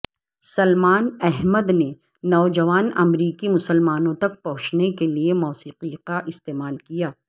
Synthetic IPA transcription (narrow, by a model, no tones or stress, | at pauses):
sɐlmaːnɛɦməd̪ne | nɔːd͡ʒɐʋaːnɐ̰mɾiːkimʊsəlmaːnõt̪ɐk̚pɐɦʊt͡ʃnekeliemɔːsiːqikaʔɪst̪eːmaːlkijaː